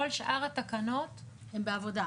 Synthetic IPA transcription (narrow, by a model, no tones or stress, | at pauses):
olʃʔaʁatakanot | hembeavoda